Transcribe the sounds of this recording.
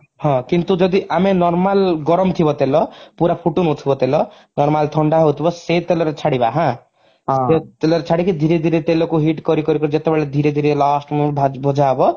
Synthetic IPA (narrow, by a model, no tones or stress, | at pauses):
hɔ̃kint̪ud͡ʒɔd̪iʔamenɔɾmalɡɔɾɔmt̪ʰibɔt̪elɔpuɾapʰuʈonut̪ʰibɔt̪elɔ | nɔɾmalt̪ʰɔɳɖaɦot̪ʰibɔset̪elɔɾet͡ʃʰaɽibaɦã | et̪elɔɾet͡ʃʰaɽikid̪ʱiɾed̪ʱiɾet̪elɔkuɦiʈkɔɾikɔɾikɔɾid͡ʒet̪ebeɭad̪ʱiɾed̪ʱiɾelasʈmbʱabʱɔd͡ʒabɔ